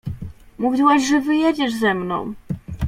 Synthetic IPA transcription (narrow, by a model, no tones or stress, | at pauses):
muvʲiwaʑʐɛvɘjed͡ʑɛʐzɛmnɔ̰̃w̃